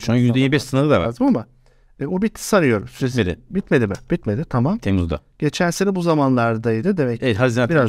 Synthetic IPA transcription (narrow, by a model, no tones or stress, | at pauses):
ʃuajyzd̪ɛjiɛbɛʃsɯnalˠɯd̪ava̰d̪ɯmama | bubit̪ʰːi̥saɾɯjo̞ɾumsɾeselʲḭbit̪me̞lʲimɪb̥it̪me̞d̪ɪt̪ʰamamt̪ʰemuzd̪a̰ | ɟ̥e̞t͡ʃʰænsenɛbuzamanlˠaɾd̪ajd̪ɯd̪emɛcejɛhazinabiɾa